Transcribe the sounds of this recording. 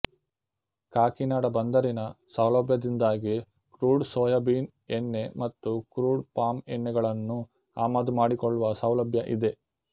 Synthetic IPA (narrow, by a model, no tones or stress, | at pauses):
kaːkinaːɽɐbɐnd̪ɐɾinɐsɐwlɐbʱjɐd̪ind̪aːɡi | kɾuːɖsɔːjɐbiːn | enːe̞mɐt̪ːukɾuːɖpaːmɛnːɛɡɐɭɐnːu | aːmaːd̪umaːɽikɔɭːuʋɐsɐwlɐbʱjɐʔid̪e̞